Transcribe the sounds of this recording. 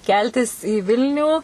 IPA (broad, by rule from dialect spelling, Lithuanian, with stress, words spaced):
ˈkʲɛlʲtʲɪs iː ˈʋʲɪlʲnʲuː